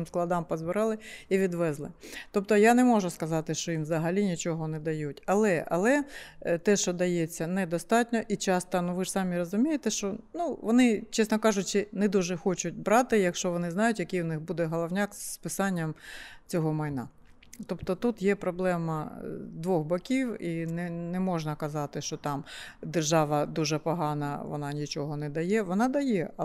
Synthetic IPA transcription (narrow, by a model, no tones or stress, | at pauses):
msklˠɐd̪ɑmpɔzbɪɾɑlˠɪiʋʲid̪ʋɛzlˠɪt̪ɔp̚t̪ɔjanɛmɔʒʊskɐzɑt̪ɪʃt͡ʃɔjinʋzɐɦɐlʲinʲit͡ʃɔɦɔnɛd̪ɐjutʲɐlˠɛɐ̰lˠɛt̪ɛʃt͡ʃɔd̪ɐjɛt͡sʲːɐnɛd̪ɔst̪ɑtʲnʲɔʔit͡ʃɑst̪ɐnuʋɪʐ̥sɑmʲiɾɔzʊmʲijet̪ɛʃt͡ʃɔnuʋɔnɪt͡ʃɛsnɔkɑʒʊt͡ʃɪnɛd̪uʒɛxɔt͡ʃʊt̚ʲbɾɑt̪ɪjɐkʃt͡ʃɔʋɔnɪznɑjʊtʲjɐkɪjwnɪxbud̪ɛɦɔlˠɔʋnʲɑkzpɪsɑnʲːɐmt͡sʲɔɦɔmɐjnɑ̰ | t̪ɔpt̪ɔt̪ut̪jɛpɾɔblˠɛmɐd̪ʋɔxbɐkʲiwinɛnɛmɔʒnɐkɐzɑt̪ɪʃt͡ʃɔt̪ɑmd̪erʒɑʋɐd̪uʒɛpɔɦɑnɐ̰ʋɔ̰nɑnʲit͡ʃɔɦɔnɛd̪ɐjɛʋɔnɑd̪ɐjɛ